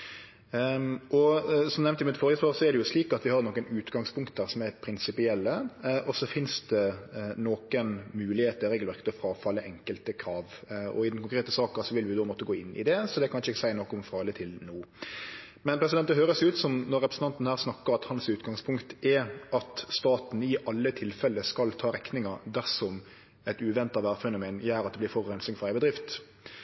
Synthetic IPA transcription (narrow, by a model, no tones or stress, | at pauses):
ʔɔsɔmnɛmnt̪ɪmɪt̪fɔːɾəspɑːɾsɔɛɾɖɛjʊsliːkɑt̪ʋɪhɑɾnɔkːənʉːt̪ɡɑŋspʰʊŋkt̪̚d̪æːɾsɔmæpʰɾɪnsɪpɪɛlːəʔɔsɔfɪnsd̪ɛnoːkənmʉːlɪheːt̪əɾɛːɡəlʋæɾkːət̪ɔfɾɑːfɑlːəʔɛŋkəlt̪əkʰɾɑːʋɔ̰ɪd̪nkʊŋkɾeːt̪əsɑːksɔʋɪlʋɪd̪oːmɔt̪ːəɡoːɪnːɪ̰d̪ɛsɔd̪ɛkʰɑnɪʃəɛɡsæɪnɔkːɔmfɾɑːlət̪ʰɪlnuː | mɛnpʰɾɛsɪd̪ɛnt̪d̪ɛɦøːɾəsʉːt̪sɔmnɔɾɛpɾəsn̩t̪ɑnt̪n̩hæːʁsnɑkːəɾɑt̪hɑnsʉːt̪ɡɑŋspʰʊŋkt̪ɛɑt̪st̪ɑːt̪n̩ɪʔɑlːət̪ʰɪlfɛlːəskɑlt̪ʰɑːɾɛknɪŋəɾd̪æʁsɔm | ɛt̪ʉːʋɛnt̪ɑʋæːʁfɛnʊmeːnjæːɾɑt̪d̪ɛblɪɾfɔɾhɛnsɪŋfɔɾæɪbəd̪ɾɪft̪